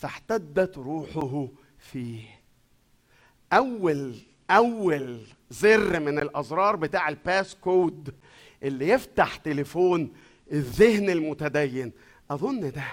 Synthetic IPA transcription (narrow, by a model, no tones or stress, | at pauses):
fæħt̪æd̪ːæt̪ɾˤuːħoɦ | fiːh | ʔæwːæl | ʔæwːæl | zerːmenelʔɑzˤɾˤɑːɾˤbet̪aːʕelpæːskoːd̪ | ʔelːijeft̪aħt̪elefoːn | ʔeðːehnelmʊt̪æd̪æjːen | ʔɑðˤonːd̪æ